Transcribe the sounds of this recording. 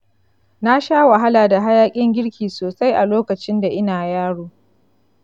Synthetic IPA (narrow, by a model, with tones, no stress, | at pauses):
na˦ʃaː˦wa˨ɦa˦laː˨da˨ɦa˦jaː˦kʲʼɪ˦ŋɡʲɪ˦ɽkʲʰiː˨soː˨sa˦jʔa˨loː˦kɐ˨t͡ʃɪ˦nda˨ʔɪ˦naː˨jaː˦ɽoː˨